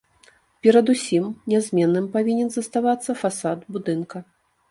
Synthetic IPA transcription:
pʲɛɾɐd̪usʲimnʲɛzʲmʲɛnːɨmpavʲinʲɛnzɐst̪avat̪sːɐfasad̪bud̪ɨnkɐ

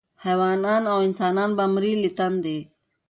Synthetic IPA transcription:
hɛːʋaːnaːnõːɪnsaːnaːnbəmɾiːlɪt̪ənd̪eː

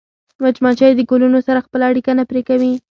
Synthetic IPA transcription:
mat͡ʃmɑt͡ʃɑjd̪əɡolunosaɾaxpəlaːɽikanapɾekawi

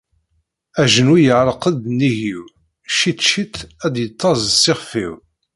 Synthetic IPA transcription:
æʒənwijəʕɾˤqəd̪niʝiw | ʃit̪ʃit̪æd̪jət̪ˤʰːɑzˤsɪχfḭw

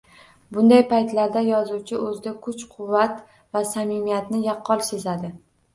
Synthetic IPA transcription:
bʊnd̪ajpajt̪laɾd̪ajɒzuwt͡ʃʰɪʔɵzd̪akʰʊt͡ʃqʰʊvːat̪ | vasamimijat̪nɪjɑqʰːɒlˠsezad̪ɪ

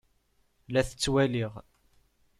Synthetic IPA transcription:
læθə̥t͡sːwæliʁ

